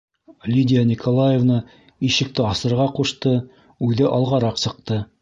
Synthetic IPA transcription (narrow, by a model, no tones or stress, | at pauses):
lʲidʲɪjanʲikʰolˠajevnə | iʃɘ̆k̚t̪ɘɑsɤ̆ɾʁɑquʃt̪ɤ | ʉðɘʔɑlˠʁɑɾɑqsɤ̆q̚t̪ɤ